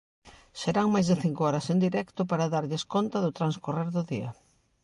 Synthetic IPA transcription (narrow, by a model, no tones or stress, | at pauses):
seɾaŋmajzðɪθiŋkoɔɾɐsend̪iɾɛkt̪ʊpaɾaðaɾʎɪskont̪ɐðʊt̪ɾanskoreɾðʊðiɐ̰